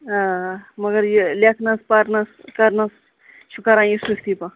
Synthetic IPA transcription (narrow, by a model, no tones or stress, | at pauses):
amɐɡɐɾjilʲekʰnɐspɐɾnɐskɐɾnɐs | ʃʰukɐɾãːjisukʰt̪ipɐ